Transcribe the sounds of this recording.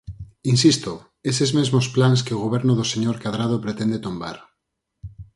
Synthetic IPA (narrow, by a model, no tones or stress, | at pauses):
insist̪o | esezmezmosplans̬kɪoɣ̞oβ̞ɛɾnʊðoseɲoɾkaðɾað̞opɾet̪ɛnd̪et̪omba̰ɾ